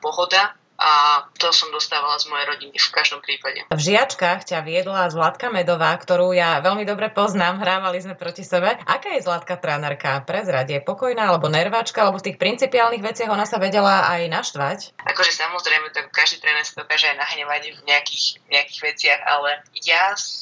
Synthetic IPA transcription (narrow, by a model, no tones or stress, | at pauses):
pɔɦɔd̪a | ʔat̪ɔsɔmd̪ɔst̪aːʋalazmɔjɛɾɔɟinifkaʒd̪ɔmpɾiːpaɟɛ̰vʒiat͡ʃkaxcaʋiɛd̪lazlat̪kamɛd̪ɔʋaːkt̪ɔɾuːjaʋɛlmid̪ɔbɾɛpɔznaːmɦɾaːʋalizmɛpɾɔcisɛbɛʔakaːjɛzlat̪̚kat̪ɾɛːnɛɾkapɾɛzɾaɟɛpɔkɔjnaːalɛbɔnɛɾʋaːt͡ʃkaalɛbɔft̪iːxpɾint͡sipiaːlniɣʋɛt͡sɪaɣɔnasaʋɛɟɛlaajnaʃt̪ʋacʔa̰kɔʒɛsamɔzɾɛjmɛt̪akkːaʒd̪iːt̪ɾɛːnɛɾsid̪ɔkaːʒɛajnaɦɲɛʋaɟvɲɛakiːxɲɛakiːɣʋɛt͡sɪaɣa̰lɛjas